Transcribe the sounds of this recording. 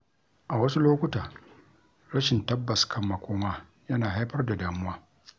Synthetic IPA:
ʔa˨wɐ˦su˦loː˦kʷʊ˦taː˨ | ɾɐ˦ʃɪ˨ntɐ˦bːɐ˨skʰɐ˦mːɐ˨kʷoː˦maː˦ | jɐ˦naː˨ɦa˦jɸɐ˦rda˨daː˦mʊ˦aː˦

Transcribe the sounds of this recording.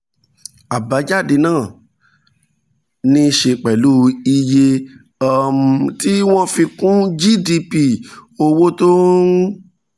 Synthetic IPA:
a˨ba˨˦d͡ʒa˦˨de˧nãː˦˨ | nĩ˧ʃe˧k͡pɛ˨lu˦i˧je˧˦˨ | m̩˨ti˦w̃ɔ̃˦fi˧kũ˦d͡ʒi˦˨di˧pi˦˨o˧wo˦to˦

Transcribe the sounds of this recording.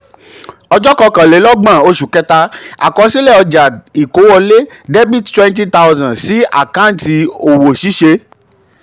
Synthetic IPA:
ɔ˧d͡ʒɔ˦kɔ˧kã˨le˨˦lɔ˦ɡ͡bã˦˨o˧ʃu˨kɛ˧ta˧a̰˨kɔ˨˧si˦lɛ˦˨ɔ˧d͡ʒa˨i˨ko˨˦wɔ˧le˦ | de˦bi˦˨ttwɛ̃˦n˦t̬i˦ta˦wzã˨si˨˦a̰˦˨kã˦n̩˨˦ti˧o˨wo˨ʃi˨˦ʃe˧

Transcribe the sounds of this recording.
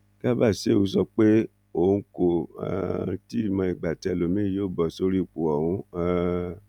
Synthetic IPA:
ka˦ba˦˨se˦˨u˧˦sɔ˧k͡pe˦ | o˨˧˦ko˦˨a̰˨˧˦ti˦˨mã˧i˨ɡ͡ba˨tɛ˨lo˨mĩ˦joː˦˨bɔ˨so˧ɾi˦˨k͡pu˨ɔ˨wũ˧˦a˦

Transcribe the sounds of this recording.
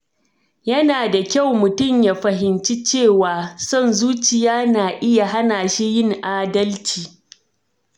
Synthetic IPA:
jɐ˦naː˨da˨kʲa˦˨wmʊ˨tʊ˦˨mjaː˨ɸɐ˨ɦɪ˨nt͡ʃi˦t͡ʃeː˦˨waː˨sɔ˦˨nzuː˦t͡ʃɪ˨jaː˦naː˨ʔɪ˦ja˨ɦa˦naː˨ʃi˦jɪ˦˨ŋʔaː˨dɐ˦lt͡ʃiː˨

